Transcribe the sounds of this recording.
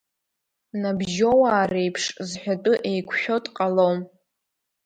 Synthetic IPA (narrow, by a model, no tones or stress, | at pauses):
nabʒo̞waːrejpʰʂzħʷᶣatʼʊʔejkʷʰħᶣo̞tʼqʼalowm